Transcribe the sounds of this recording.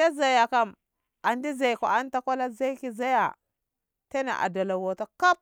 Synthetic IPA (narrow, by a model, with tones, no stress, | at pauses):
a˦za˨ja˨ka˨m | a˨ndi˦za˨jkʷa̰˨a˦n˦ta˦kʷa˦la˦za˦jki˨za˦ja˨ | ta˦na̰˨ʔa̰˨da˨la˨wo˨ta˦ka˦p̚